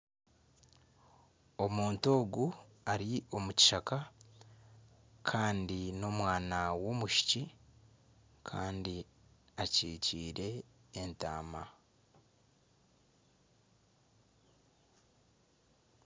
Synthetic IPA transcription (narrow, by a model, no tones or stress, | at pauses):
o̞muːnto̞ːɡu | aɾio̞muci̥ʃaka | kʰaːndino̞mwaːnawo̞ːmuʃi̥ci | kʰaːndi | aciːciːɾe̞ːnta̰ːma